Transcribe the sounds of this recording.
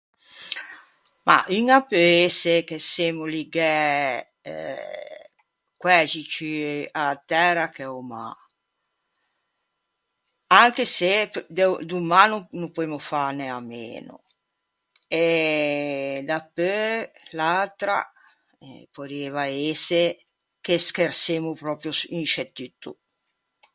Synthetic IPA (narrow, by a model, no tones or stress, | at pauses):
ma̰ʔiŋapøesekesemoliɡɛ̰ | kwɛd͡ʒit͡ʃyat̪ɛrakɛoma̰ | aŋkesed̪d̪umanunupuemofaneamḛːnʊ̰ | e | d̪apːølalt̪ɾa̰ | poɾeːvaese | k̟eskersemupɾɔːpɾjosinʃet̪ːyt̪ːu